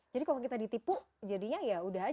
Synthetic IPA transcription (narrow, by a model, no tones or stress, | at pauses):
d͡ʒadikalok̬it̪adit̪ipʊh | d͡ʒadiɲajaudaɦa